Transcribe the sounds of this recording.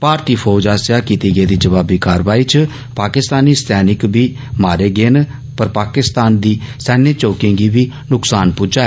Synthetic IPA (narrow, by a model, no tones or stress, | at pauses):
paːɾt̪iːpʰɔːd͡ʒaːsɪjaːkiːt̪iːɡeeːd̪iːd͡ʒəʋaːbiːkaːɾʋaːiːt͡ʃə | paːkɪst̪aːniːst̪ʰɛːnɪkbiː | maːɾeːɡeːn | pəɾpaːkɪst̪aːnd̪iːsɛːneːt͡ʃoːkɪ̃ŋɡiːbiː | nʊksaːnpʊːd͡ʒaːɛ